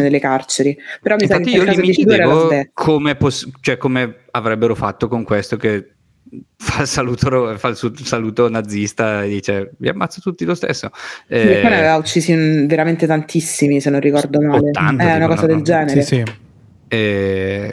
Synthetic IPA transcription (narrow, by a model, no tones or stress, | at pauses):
ed̪elːekart͡ʃeɾipeɾɔmːisaakːt̪ːiiolkaizmit͡ʃid̪ɾaoɛkʰomeposːt͡ʃoɛkːome | avɾɛbːeɾofat̪ːokoŋkwest̪ok̟e | falsaluːt̪oɾofalsusaluːt̪onad̪zːist̪aed̪ːiːt͡ʃevia̰mːat̪sːot̪ut̪ːilost̪ḛsːoɛeonavevaut͡ʃːiːsiveɾament̪et̪ant̪ʰisːimisenːõnrikɔrd̪omaːlea̰nt̪ɛunakɔːzad̪eld͡ʒɛːneɾei | ɛ